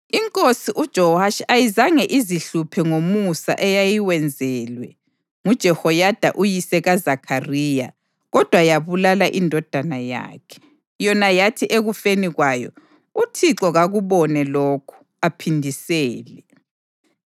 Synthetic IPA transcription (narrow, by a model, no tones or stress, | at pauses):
iŋkʼosiʔud̥ʒ̥ʱɔaʃajizaŋɛʔiziɬupʰɛŋomusa̰ʔɛjajiwɛnd͡zʱɛlwɛ | ŋud̥ʒ̥ʱɛhɔjad̥ʱaʔujisɛɣazakʰariːja | ɣɔd̥ʱwajaβulalaʔindʱɔd̥ʱanaja̰ːkʰɛ̥ | jɔnajatʰiʔeɣufeniɣwajɔ̰ | utʰiǁɔɣaɣuβɔnɛloːkʰu̥ | apʰindʱisɛːlɛ